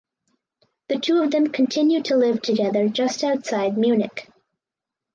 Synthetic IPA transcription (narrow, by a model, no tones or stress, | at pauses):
ðɨtʰuʌvðɨ̃mkʰn̩tʰɪ̃njʉd̚tʰəlɪv̥tʰɨɡɛðə˞d͡ʒʌstaʊtsaɪd̚mjʉnɨk